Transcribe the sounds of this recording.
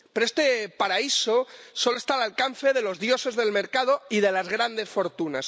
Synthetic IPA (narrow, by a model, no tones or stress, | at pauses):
peɾoest̪epaɾaisosoloest̪alalkanθeðe̞lo̞zðjo̞se̞zðe̞lme̞ɾkað̞oiðelazɣ̞ɾand̪esfo̞ɾt̪unas